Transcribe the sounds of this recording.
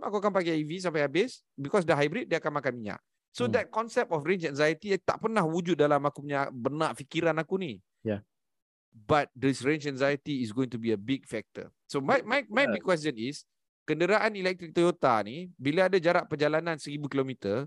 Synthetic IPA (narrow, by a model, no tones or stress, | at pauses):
akuakanpakɛivis̬ampajɦabɪs | bikɔs̬dəɦajbɾit̚diakanmakanmiɲa̰ʔ | sod̪ɛt̚kɔnsɛp̚tɔfɾẽnt͡ʃɛnzajət̪it̪a̰ʔpərnahwud͡ʒut̚dalamakupuɲabənaʔfikiɾanakuni | bat̪̚d̪əsɾẽnt͡ʃɛ̃nzajət̪iːs̬ɡoĩŋt̪ubiəbiɡ̚fɛk̚t̪ə̰ | somajmajmajbikːwɛs̬t̪jənis | kəndəɾaʔanilɛk̚t̪ɾik̚t̪ojot̪anibilaadad͡ʒaɾaʔpəd͡ʒalanãnsəɾibukilomit̪ə